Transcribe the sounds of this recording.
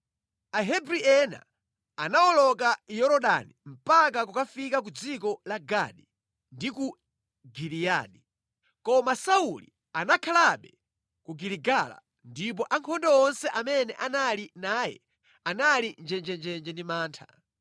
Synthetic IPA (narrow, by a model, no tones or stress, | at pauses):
aɦɛbɾiɛna̰ | anaɔlɔkajɔɾɔɗa̰nim̩pak̬akukafikak̬ud͡zikɔlaɡa̰ɗi | ndiku | ɡilija̰ːni | kɔmasaulḭ | anakʰalaɓɛ | kuɡiliɡala̰ | ndip̬ɔʔaŋkʰɔndɔɔnsɛʔamɛnɛʔanalinaːjɛ̰ | analind͡ʒɛnd͡ʒɛnd͡ʒɛnd͡ʒɛndimaːntʰḁ